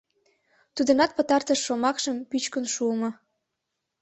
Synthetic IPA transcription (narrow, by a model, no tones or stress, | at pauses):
t̪ud̪ə̆nɑt̪̚pə̆t̪ɑrt̪əʃːomɑkʃəmpyt͡ɕkənʃuəmɤ̆